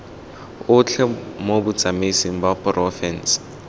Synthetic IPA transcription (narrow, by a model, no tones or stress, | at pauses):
ʊt͡ɬʰɛmobʊt͡sʼamisiŋ̩bapʼrɔfɛns